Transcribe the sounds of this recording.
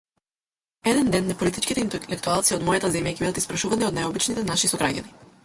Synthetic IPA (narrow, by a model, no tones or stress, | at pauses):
ɛd̪ɛnd̪ɛnːɛpolit̪it͡ʃkit̪ɛint̪ɛlɛkt̪ualˠt̪siɔd̪mɔjat̪azɛmjacɛbid̪at̪ispɾaʃuvaniɔd̪najobit͡ʃnit̪ɛnaʃisɔɡɾaɟa̰ni